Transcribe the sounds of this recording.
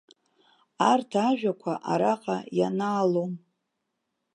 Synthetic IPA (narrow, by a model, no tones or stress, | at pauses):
artʰaʒᶣakʷʰaʔaɾaqʼajanaːlom